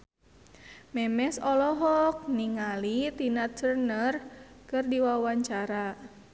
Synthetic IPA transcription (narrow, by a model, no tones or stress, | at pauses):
mɛmɛsɔlɔɦɔk̚niŋalit̪inaərnərkɨrdiwawaɲt͡ʃaɾa